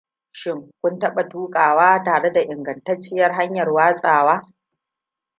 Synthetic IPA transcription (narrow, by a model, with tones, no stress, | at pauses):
ʃɪ˦ŋkʷʊ˦ntɐ˦ɓa˨tuː˦kʼaː˨waː˦taː˨ɽe˦da˨ʔɪ˨ŋɡɐ˨ntɐ˦t͡ʃːɪ˦jɐ˦rɦa˦ɲjɐ˨rwaː˦sʼaː˨waː˦